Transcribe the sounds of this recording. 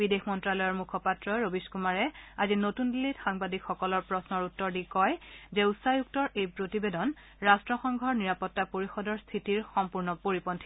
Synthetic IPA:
bidexmɔntɹalɔjɔɹmukʰɔpatɹɔɹobiskumaɹɛazinotundilːitxaŋbadikxɔkɔlɔɹpɹɔsnɔɹutːɔɹdikɔjzɛusajuk̚tɔɹejpɹotibedɔn | ɹastɹɔxɔŋɡʱɔɹniɹapɔtːapoɹixɔdɔɹst̪ʰitiɹxɔmpuɹnɔpoɹipɔntʰi̥

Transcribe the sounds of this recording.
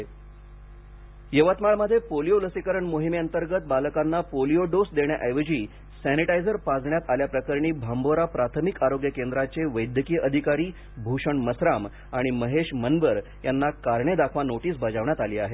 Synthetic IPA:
jəʋət̪maɭməd̪ʱːjepolijoləsikəɾəɳmoɦimiənt̪əɾɡət̪̚balkanːapolioɖosd̪eɳja̰ʔajʋəd͡ʑiː | sæniʈajd͡zəɾpad͡zɳjat̪aljapɾəkəɾɳ̃iːbʱamboɾapɾat̪ʰəmikaɾoɡjəkend̪ɾat͡seʋəjd̪ʱjəkiːʔəd̪ʱikaɾiː | bʱuʂəɳməsɾam | aɽ̃iməɦeʂmənʋəɾ | janːakaɾɳed̪akʰʋanoʈiːsbəd͡zaʋɳjat̪aliːaɦe

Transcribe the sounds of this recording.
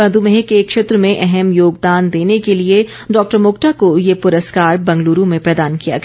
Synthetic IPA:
ɐ̃d̪umeɦekekʃeːt̪ɾəmẽʔɛɦɛmjoːɡd̪aːnd̪eːnekelie | ɖɔːk̚ʈəɾmoːkʈakojepʊɾəskaːɾbɐ̃ŋɡluːɾũmẽpɾɐd̪aːnkija̰ɡ

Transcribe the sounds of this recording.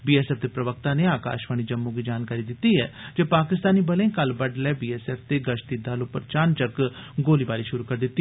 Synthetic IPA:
biːɛːsɛːp̚d̪eːpɾəʋək̚t̪ãːneːaːka̰ːʃʋaːɽ̃iːd͡ʒəmːõːɡiːd͡ʒaːnkaːɾiːd̪ɪt̪ːiɦɛːd͡ʒeːpaːkɪst̪aːniːbəlẽːkəlbəɖlɛːbiːɛːsɛːpʰt̪eːɡəʃt̪id̪alopəɾt͡ʃaːnt͡ʃəkɡoːliːbaːɾiːʃʊɾuːkəɾd̪ɪt̪ːi

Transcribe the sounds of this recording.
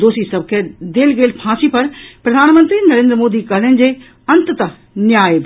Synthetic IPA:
oːsisɐb̚ʱkʰed̪eːlɡeːlpʰãːsipɐɾpɾɐd̪ʱaːnmə̃nt̪ɾinɐɾẽːnd̪ɾəmoːd̪ikɐɦlənɪ̆d͡ʑeː | ɐ̃nt̪t̪ɐ | njaːjb

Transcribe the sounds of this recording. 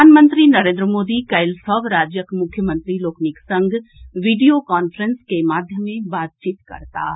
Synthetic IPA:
anmə̃nt̪ɾinɐɾẽːnd̪ɾəmoːd̪ikɐɪlsɔːbɾaːd͡ʒjəkmʊkʰːjəmə̃nt̪ɾiloːkniksə̃ŋɡʱʋiɖijokaːnfʰəɾə̃nskemaːd̪ʱjəmẽbaːt̪̚t͡ʃiːt̪kɐ̰ɾt̪a̰ː

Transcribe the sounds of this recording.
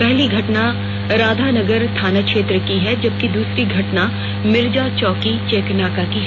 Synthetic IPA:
pɛɦliɡʱɐʈna | ɾaːd̪ʱanɐɡəɾt̪ʰaːnakʃeːt̪ɾəkiɦɛd͡ʒɐb̚kid̪uːsɾiɡʱɐʈna | mɪɾd͡ʒat͡ʃɔːkit͡ʃeːknaːkakiɦ

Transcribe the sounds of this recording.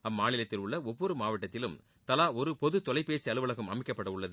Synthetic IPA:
ɐmːaːɳɪlɐt̪ːɪlʊɭːɐɔʋːɔɾɯmaːʋɐʈːɐt̪ːɪlɯm | t̪ɐlaːɔɾɯpɔðɯt̪ɔlɐɪpeːsiɐɭɯʋɐɭɐkːɯmɐmɪkːɐpːɐɽɐʊɭːɐðɯ

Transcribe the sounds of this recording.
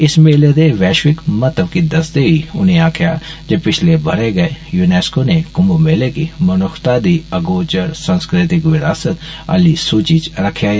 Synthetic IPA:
ɪsmeːled̪eʋɛːʃwɪkmɐt̪əbkid̪ɐsd̪eɦiʊneaːkʰjad͡ʒepɪt͡ʃʰlebʱɐɾeɡɐejuneːskonekʊmomeːlekimɐnʊxt̪ad̪iɐɡoːt͡ʃəɾsãnskɾɪt̪ɪkʋɪɾaːsət̪ | ə̰lisuːt͡ʃit͡ʃɾɐkʰːjaɦɛ

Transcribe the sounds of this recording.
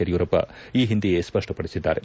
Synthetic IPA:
ɐɾjuːɾɐpːɐ̰iːɦind̪iɡespɐʂʈɐpɐɽisid̪ːa̰ːɾe

